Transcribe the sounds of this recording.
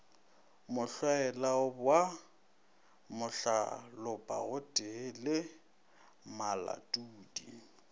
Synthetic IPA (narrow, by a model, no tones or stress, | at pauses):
mʊɬwaɛlaʊbwa | mʊɬa̰lʊpʼa̰ɣʊtʼɪlɪ | mala̰tʼuːdi